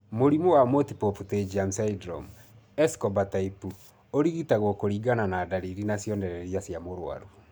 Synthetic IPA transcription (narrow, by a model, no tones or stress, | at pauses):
moɾimowamotipofuted͡ʒiam̩saidɾɔ̰m | ɛskɔbataipu | oɾiɣitaɣɔkoɾiːɡananaːdaɾiɾinasjɔndɛɾɛɾjasjamoɾwa̰ɾu